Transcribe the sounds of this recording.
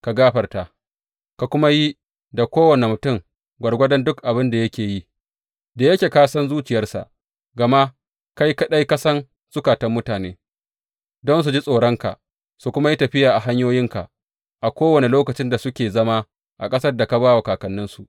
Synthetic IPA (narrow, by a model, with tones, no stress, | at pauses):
ka˨ɡaː˦ɸɐ˨rta˨ | ka˨kʷʊ˦ma˦ji˦ | da˨kʷoː˦wɐ˨ne˨mʊ˨tʊ˦˨m | ɡʷɐ˨rɡʷɐ˦dɛ˦ndʊ˦kʔa˨bɪ˦nda˨jɐ˦kʲeː˨ji˦ | da˨jɐ˦kʲeː˨kaː˦sɐ˦nzuː˦t͡ʃɪ˨jɐ˦rsa̰˨ʔ | ɡɐ˨ma˦ | ka˦jka˦ɗa˦jka˦sɐ˦n | z̥ʊ˦kaː˨tɐ˦mːʊ˦taː˨neː˦ | dɔ˦ns̬u˨d͡ʒi˦sʼoː˨ɽɔ˦ŋka̰˨ʔ | su˨kʷʊ˦ma˦ji˦tɐ˨ɸɪ˦jaː˨ʔa˨ɦa˦ɲjoː˦jɪ˦ŋka̰˨ | ʔa˨kʷoː˦wɐ˨ne˨loː˦kɐ˨t͡ʃɪ˦nda˨sʊ˦kʲeː˨zɐ˦ma˦ | ʔa̰˨kʼɐ˦sɐ˦rda˨ka˨baː˦wa˨kaː˨kɐ˨nːɪ˦nsu˨